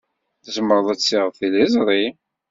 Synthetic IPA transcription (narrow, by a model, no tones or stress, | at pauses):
θəzəmːəɾˤəðˤæt͡sːiʁəðθilizˤɾˤi